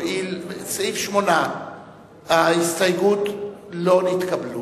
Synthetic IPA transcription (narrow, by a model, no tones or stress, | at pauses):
ilsifʃmona | aistajɡut̪lo̞nit̪kablu